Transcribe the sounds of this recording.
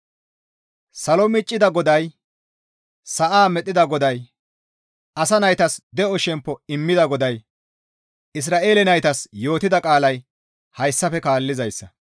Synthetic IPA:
sɐlɔmɪt͡ʃʼːɪd̪ɐɡɔd̪ɐj | sɐʔaːmɛt̪ʼːɪd̪ɐɡɔd̪ɐj | ʔɐsɐnɐjt̪ɐsd̪ɛɔʃɛmpːɔɪmːɪd̪ɐɡɔd̪ɐj | ɪs̬ɾaːʔe̞ːlɛnɐjt̪ɐsjo̞ːt̪ɪd̪ɐkʼaːlɐj | hɐjsːɐfɛkaːlːɪzɐjsːɐ

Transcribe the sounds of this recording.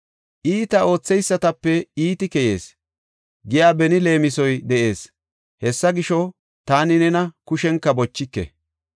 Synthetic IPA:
ʔiːt̪ɐo̞ːt͡sːɛjsːɐt̪ɐpːɛiːt̪ɪkɛje̞ːs | ɡɪjaːbɛnɪle̞ːmɪsɔjd̪ɛʔe̞ːs | hɛsːɐɡɪʃɔ | t̪aːnɪnɛnɐkʊʃɛŋkːɐbɔt͡ʃːɪkːɛ̰

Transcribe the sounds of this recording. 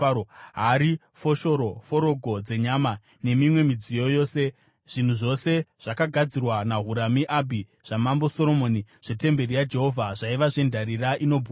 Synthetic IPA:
ɦaɾi | fo̞ʃo̞ɾo̞fo̞ɾo̞ɡʱo̞d͡ze̞ɲaːma | ne̞mimwe̞mid͡zijo̞jo̞ːse̞ | ʐ̥in̤uʐo̞se̞ʐ̥akaɡʱad͡zirwanaɦuɾamiʔabʱi | ʐ̥amambo̞so̞ɾo̞moːniʐ̥e̞te̞mbe̞ɾijad͡ʒe̞ɦo̞vʱaʐaiʋaʐe̞ndʱaɾiraʔino̞bʱu

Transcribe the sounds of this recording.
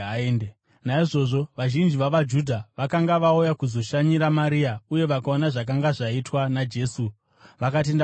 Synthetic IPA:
aende | naiʐo̞ʐo̞ʋaʒind͡ʒiʋaʋad͡ʒudʱaʋakaŋɡaʋaujakuzo̞ʃaɲiɾamaɾiauje̞ʋakao̞naʐak̬aŋɡaʐaitwanad͡ʒe̞ːsu | ʋakat̬e̞nd

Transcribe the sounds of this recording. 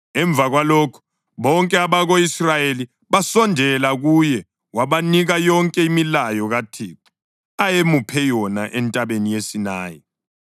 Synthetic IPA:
ɛɱb̪vʱaɣwalɔːkʰɔ̥ | βɔŋkʼɛaβaɣoisrajeli | βasɔndʱɛlaɣujɛ | waβaniɣajɔŋkʼɛimilajɔɣatʰiːǃu̥ | ajemupʰɛjɔna̰ʔɛntʼaβenijesinaːjɛ

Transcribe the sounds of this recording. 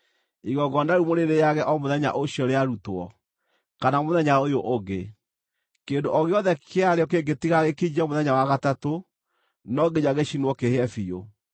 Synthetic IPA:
iɣɔɡɔndaɾumoɾeɾejaɣɛʔɔmoðɛɲa̰ʔoɕiɔɾeaɾutwɔ | kanamoðɛɲaojoʔoɡe | kendoʔɔɣeɔðɛkʰeaɾeɔkeɡetiɣaɣekid͡ʒɛmoðɛɲawaɣatato | nɔɡeɲaɣeɕinwɔkehɛfijo

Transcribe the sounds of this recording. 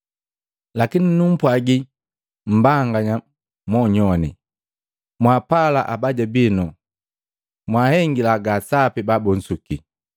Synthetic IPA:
lakininum̩pwaɡi | m̩baŋɡaɲa | mɔɲɔnḭ | mwapala̰ʔabaɟabinɔ | mwahɛŋɡilaɡasapibabɔn̩suki

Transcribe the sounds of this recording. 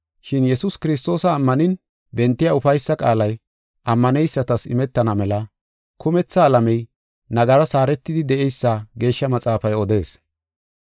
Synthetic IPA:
ʃɪnjɛsʊskɪɾɪs̬t̪ːo̞ːsɐːmːɐnɪn | bɛnt̪ːɪjaʊfɐjsːɐkʼaːlɐj | ʔɐmːɐnɛjsːɐt̪ɐsɪ̰mɛt̪ːɐnɐmɛlɐ | kʰʊmɛt͡sːɐːlɐmɛj | nɐɡɐɾɐsaːɾɛt̪ːɪd̪ɪd̪ɛʔɛjsːaɡe̞ːʃːɐmɐt͡sʼaːfɐjɔd̪e̞ːs

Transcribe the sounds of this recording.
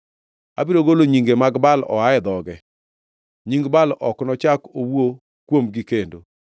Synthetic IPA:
a̰biɾoɡoloɲiŋɡemaɡbalɔ̰aɛd̪ɔɡɛ | ɲiŋɡbalʔɔ̰knɔt͡ʃakowo | kwomɡikendo

